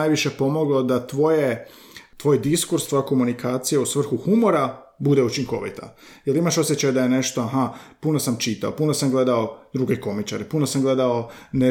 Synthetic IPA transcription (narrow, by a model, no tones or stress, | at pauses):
ajʋiʃe̞po̞mo̞ɡlˠo̞d̪at̪ʋo̞je | t̪ʋo̞ːjd̪iskuɾst̪ʋo̞jako̞munikaːt̪sijausʋr̩xuxumo̞ɾa | bud̪e̞ut͡ʃiŋko̞̰ʋḭt̪a̰ | jelimaʃo̞sjet͡ɕajd̪ajene̞ʃt̪oaɦapuno̞samt͡ʃit̪a̰opunosamɡle̞d̪ao̞d̪ɾuɡe̞ko̞mit͡ʃaɾepunosamɡle̞d̪ao̞ne